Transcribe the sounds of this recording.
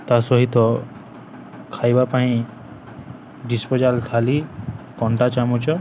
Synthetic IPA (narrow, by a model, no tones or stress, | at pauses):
t̪asɔɦit̪ɔ | kʰajbapaɦĩ | ɖispɔd͡ʒalt̪ʰalikɔɳʈat͡ʃamut͡ʃɔ